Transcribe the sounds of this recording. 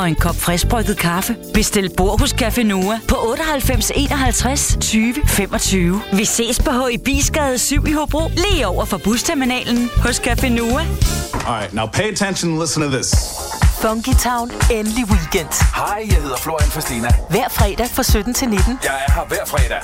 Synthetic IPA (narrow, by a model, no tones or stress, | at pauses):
ɒ̽e̝nkʰɒ̽b̥fʁɛsb̥ʁœɡ̥ð̞̩ˠkʰɑ̈fəb̥e̝sd̥e̝l̰d̥̚b̥o̝ɐ̰ɦɔ̽skʰæfe̝nuːæpʰɒ̽ʔɔ̽ːɾ̥əɒɦælfem̰se̝̰ːnɒ̽ɦælt͡sʰʁast͡sʰyːʋəfem̰ɒ̽t͡sʰyːʊʋise̝̰ːspʰɒ̽ɦɔ̽ɪb̥ḭːsɡ̥ɛð̩ˠsyʊ̰ihob̥ʁo̰ːleːɒʊ̰ɐfɑ̈b̥ust͡sʰeɐminɛ̰ːln̩hɔ̽skʰæfe̝nuːæɒaɪtnaʊpʰeɪətʰenʃənlɪsn̩tʰəðɪs | fɒŋɡ̥it͡sʰɑ̈ʊnenliwiɡ̥en̰d̥hɑɪjaɪhe̝ð̞̰ˠɐfloɐ̰iænfʰʁsd̥iːnæʋæɐ̰fʁɛːd̥æfʁɑ̈sød̥n̩t͡sʰe̝lned̥n̩jajɑ̈ʋæɐ̰fʁɛːɾæ